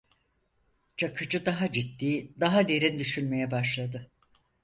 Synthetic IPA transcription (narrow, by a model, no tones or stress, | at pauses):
t͡ʃʰakʰɯd͡ʒɯd̪aɦad͡ʒit̪ːiːd̪aɦad̪e̞ɾind̪yʃynme̞jɛbaʃlˠad̪ɯ